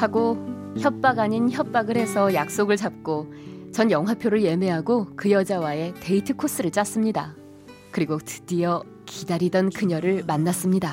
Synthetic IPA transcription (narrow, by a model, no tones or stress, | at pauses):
haɡo | çjʌp̚p͈aɡaɲinçjʌp̚p͈aɡɯɾhe̞sʰʌjak̚s͈oɡɯɭt͡ɕap̚k͈o | t͡ɕʌnjʌŋɦapʰjoɾɯɭje̞me̞ɦaɡokɯjʌd͡ʑawae̞teitʰɯkʰos͈ɯɾɯɭt͡ɕ͈as͈ɯmɲida̰ | kɯɾiɡotɯ̥dijʌ | kidaɾidʌnkɯɲʌɾɯɭmanːas͈ɯmɲida